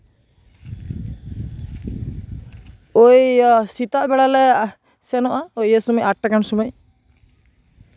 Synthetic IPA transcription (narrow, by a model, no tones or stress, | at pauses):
ojsit̪aʔbɛɽalɛ | sɛnɔʔaojəsumɔjʔaʈːakansumɔj